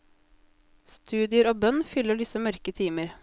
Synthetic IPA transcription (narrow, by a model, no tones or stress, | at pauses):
st̪ʰʉːd̪ɪəɾoːbœnfʏləɖɪsəmœɾkət̪ʰiːməɾ